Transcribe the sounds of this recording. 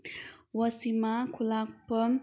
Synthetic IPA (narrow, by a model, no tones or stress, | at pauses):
wəsimakʰulak̚pə